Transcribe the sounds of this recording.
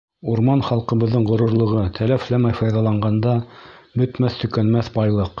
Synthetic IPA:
uɾmɑnχɑlˠqɤ̆βɤ̆ðːɤɴʁŏɾŭɾlˠɤ̆ʁɤt̪ʰælæflæmæjfɑjðɑlˠɑɴɢɑnd̪ɑbɵ̆t̪mæθt̪ɵ̆kænmæθbɑjlˠɤq

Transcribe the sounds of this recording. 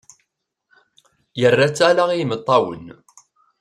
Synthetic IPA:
jərːæt͡sːalaʁijmət̪ˤːɑwə̰n

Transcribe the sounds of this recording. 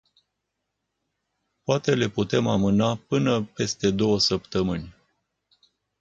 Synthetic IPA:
poat̪e̞le̞put̪e̞mamɨnapɨnəpe̞st̪e̞d̪o̞wəsəpt̪əmɨnʲ

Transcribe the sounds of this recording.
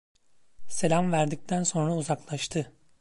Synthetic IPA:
se̞lʲamvæɾd̪ic̚t̪ʰænso̞nɾauzaklˠaʃt̪ʰɯ

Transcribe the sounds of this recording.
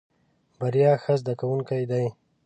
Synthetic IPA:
baɾijɑxəzd̪akawuŋkajd̪aj

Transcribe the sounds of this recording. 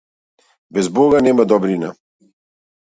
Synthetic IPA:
bɛzboːɡanɛːmad̪ɔbɾina̰

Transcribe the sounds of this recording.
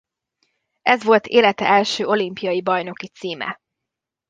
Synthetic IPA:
ɛzʋo̞lt̪ʰeːlɛt̪ɛ̰ʔɛlʃøːo̞limpijɒjibɒjno̞kit̪siːmɛ̰

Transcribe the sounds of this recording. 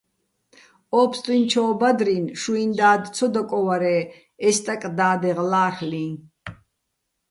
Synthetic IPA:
ɔːpʰst̪ʼwint͡ʃʰɔːbad̪ɾinʃuind̪aːd̪t͡sʰɔd̪ɔkʼɔwaɾɛː | ɛst̪ʼakʼd̪aːd̪ɛʁlaːχlĩ

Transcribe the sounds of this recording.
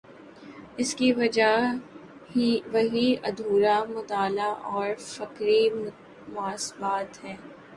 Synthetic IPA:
ɪskiʋɐd͡ʒa | hiʋɐɦiɐd̪ʱuːɾamʊt̪aːlaʔɔːɾfɐkɾi | mʊaːsbaːt̪ɦɛː

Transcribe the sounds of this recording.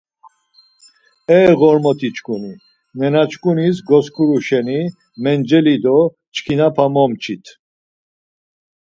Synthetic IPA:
ɛɣɔɾmɔt̪ʰit͡ʃkʼuni | nɛnat͡ʃkʼunis̬ɡɔskʰuɾuʃɛni | mɛnd͡ʒɛlid̪ɔ | t͡ʃkʰinapʰamɔmt͡ʃʰit̪ʰ

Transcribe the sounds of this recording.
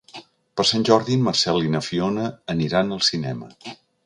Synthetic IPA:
pəɾsanʲʒɔɾðiməɾsɛlinəfionəːniɾanəlˠsinɛ̰mə̰

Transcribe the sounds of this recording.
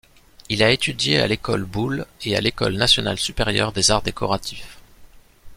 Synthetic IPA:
ilaet̪ʰyd̪jea̰lekɔlbulea̰lekɔ̰lnasjɔna̰lsypeʁjœ̰ʁd̪ezaʁd̪ekʰɔʁat̪ʰif

